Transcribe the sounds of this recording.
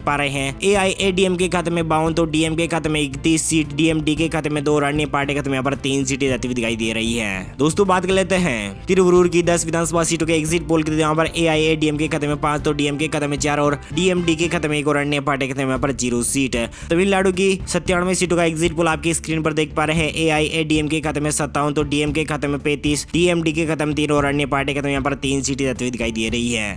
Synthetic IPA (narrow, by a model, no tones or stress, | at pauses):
paːɾəɦeɦɛ̃ːeːaːiʔeɖiːɛmkekʰɐt̪mẽbaːʊ̃nt̪oɖiːɛmkekʰɐt̪mẽɪkt̪iːsːiːʈɖiːɛmɖikekʰɐt̪mẽd̪oːɾaɽjepaːɾʈekʰɐt̪meaːpəɾt̪iːnsiːʈed͡ʒaːt̪iʋid̪ɪkʰaːid̪iɾɐɦiɦɛ̰̃ːd̪oːst̪õbaːt̪kɐɾleːt̪eɦɛ̃ːt̪ɪɾʋəɾuːɾkid̪ɐsʋɪd̪ʱaːnsəbasiːʈõkeeːɡzɪʈ̚poːlkit̪jɦãːpəɾʔeːaːieɖiɛmkekʰɐt̪mẽpãːt͡ʃt̪oɖiːɛmkekʰɐt̪mẽt͡ʃaːɾɔːɾɖiːɛːmɖikekʰɐt̪meeːkɔːɾɐɳnjepaːɾʈekʰɐt̪mɦãːpəɾd͡ʒiːɾosiːʈ | t̪ɐʋiːllaːɽuk̬isɐt̪ːjaːɽ̃ʋẽsiːʈõkaeːɡzɪʈpoːlaːp̚keskɾiːnpɐɾd̪eːkʰpaːɾeɦɛ̃ʔeːaːiʔeɖiːɛmkekʰɐt̪mẽsɐt̪ːaːʊ̃t̪oɖiːɛmkekʰɐt̪mẽpẽːt̪iːsɖiːɛːmɖikekʰɐt̪əmt̪iːnɔːɾɐɽjepaːɾʈekʰɐt̪mejɐɦãːpəɾt̪iːnsiːʈed̪ɐt̪ʋed̪ɪkʰaːid̪ieɾɐɦiɦɛ̰ː